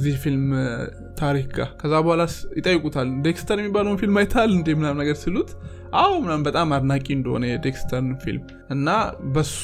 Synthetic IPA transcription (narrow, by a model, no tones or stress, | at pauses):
zihfilm | t̪ʰaɾikɡa̰kʰəzːabəhalasjɪt̪ʼəjːɪkʼut̪ʰald̪ekst̪ʰəɾjɛmːibːaləwnfilmajt̪ʰalːɨnd̪emɨnamnəɡəɾsɨlːut̪ | ʔawmɨnambət̪ʼamad̪nakʼiɨnd̪əho̰nəjɛd̪ekst̪ʰəɾnfḭlm | ʔɨnːabəs